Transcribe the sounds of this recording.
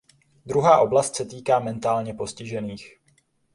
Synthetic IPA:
d̪ɾuɦaːʔo̞blast̪sɛt̪iːkaːmɛnt̪aːlɲɛpo̞scɪʒɛniːx

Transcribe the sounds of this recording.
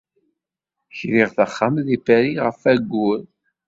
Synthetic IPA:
çɾiʁθəχːamðifæɾiʁəfæɡːʊɾ

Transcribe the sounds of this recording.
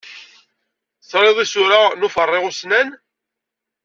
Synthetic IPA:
sɾˤɪðˤisʊɾanufərˤːɪʁʊsnæn

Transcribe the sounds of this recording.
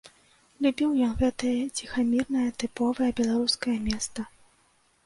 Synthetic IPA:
lʲubʲiwjɔnɣɛt̪ɐjɐt͡sʲixamʲirnɐjɐt̪ɨpɔvɐjɐbʲɛlˠaɾuskɐjɐmʲɛst̪ɐ

